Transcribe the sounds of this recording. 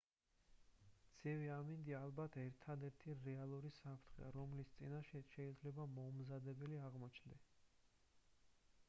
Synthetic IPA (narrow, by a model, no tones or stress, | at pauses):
d̪z̥iviamind̪ialˠbat̪ʰɛɾt̪ʰad̪ɛɾt̪ʰiɾɛalˠuɾisapʰɾt̪ʰχɛ̰aɾɔmlist̪sʼinaʃɛʃɛid̪zlɛbamɔmzad̪ɛbɛliaʁmɔt͡ʃʰnd̪ɛs